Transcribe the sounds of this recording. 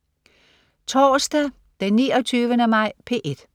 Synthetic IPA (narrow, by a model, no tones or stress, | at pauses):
t͡sʰɒːsd̥æ | d̥enːiːɒt͡sʰyːʋənəmɑ̈ɪ̰pʰe̝ʔe̝d̥